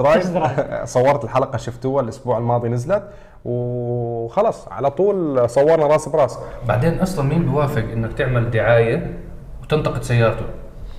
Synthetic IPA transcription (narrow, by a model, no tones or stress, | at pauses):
ɾˤɑːjɪsˤɑwːɑɾˤɑt̪ɪlħalaqɑʃɪft̪ʊwalʔʊsbuːʕalmɑːd̪ˤinɪzlat̪ | w | xɑlɑːsˤʕa̰lat̪ˤuːlsˤɑwːɑɾˤnɑɾˤɑːsɪbɾˤɑːsɪba̰ʕd̪eːnʔɑsˤlɑnmiːmbɪwaːfɪɡʔɪnːakt̪ɪʕmald̪ɪʕaːja | wt̪ɪnt̪ɑqɨd̪sajːɑːɾˤɑt̪ʊ